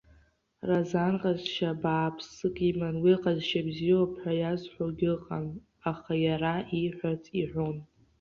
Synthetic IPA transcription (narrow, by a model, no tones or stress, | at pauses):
razanqʼazʃabaːpʰsɨkʼimanwiqʼazʃabzijopʰħʷᶣajazħʷoɡʲɨqʼan | aχajaraʔiħʷat͡sʰʼiħʷᶣon